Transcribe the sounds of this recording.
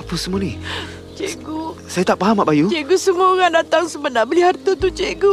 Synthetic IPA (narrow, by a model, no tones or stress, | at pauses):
apəsəmũani | t͡ʃeɡusajat̪aʔpaɦamaʔbajut͡ʃeɡusəmuaoŋandat̪aŋsəmənabəliɦart̪ət̪ut͡ʃeɡu